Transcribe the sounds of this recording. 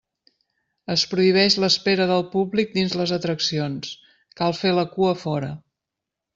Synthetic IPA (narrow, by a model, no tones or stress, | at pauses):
əspɾuiβ̞ɛʃləspeɾəðəlˠpublik̚d̪inzləzət̪ɾəksions | kalˠfeləkuəfɔɾə